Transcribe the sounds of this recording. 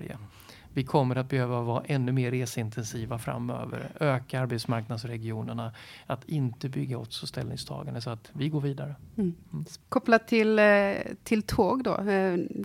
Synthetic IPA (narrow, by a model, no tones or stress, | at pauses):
ɾjə̰ | vɪkʰɔmːəɾat̪̚bɛhøːvavɑːʔɛnːɵmeːɾːeːsəɪnt̪ʰɛnsiːvafɾa̰mːø̰ːvə̰ɾøːkaaɾbɛt̪smaɾknad̪sɾɛɡɪuːnəɳaat̪ʰɪnt̪əbʏɡːaɔt̪sɔst̪ɛlnɪ̰ŋst̪ʰɑ̰ːɡaɳəs̬ɔat̪vɪɡoːɾviːd̪aɾə | kʰɔplat̪ʰːɪlt̪ʰɪlt̪ʰoːɡd̪ɔ̰